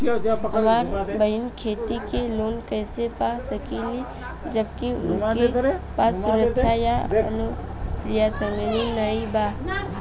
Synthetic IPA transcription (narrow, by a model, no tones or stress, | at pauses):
ɦɐmaːɾbɐɦɪnkʰeːt̪ikeloːnkɛːsepasɐkili | d͡ʒəbkiʊ̰nkepaːsːʊɾəkʃʰajaɐ̰nu | pɾɪjasəŋɡlinaːibaː